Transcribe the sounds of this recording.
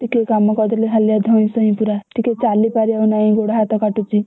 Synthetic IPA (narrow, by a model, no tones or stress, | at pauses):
t̪ikekamːɔkɔd̪ɾleɦaljad̪ʱɔ̃ĩsɔĩpuɾat̪iket͡salipaɾiaunaĩɡoɽɦat̪ɔkaʈut͡si